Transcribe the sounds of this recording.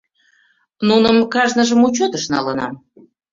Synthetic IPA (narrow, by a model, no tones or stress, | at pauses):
nunəmkɑʒnəʒəmut͡ɕot̪əʃnɑ̰lənɑ̰m